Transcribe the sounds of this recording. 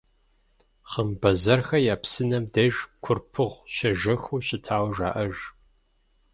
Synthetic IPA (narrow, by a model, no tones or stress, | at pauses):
χɐmbɐzɐrxɐjaːpsɨnɐmdeʒkʷʰʊrpʰɨʁʷʃɐʒɐxuːɕɪtʰaːwʒa̰ːʔɐʒ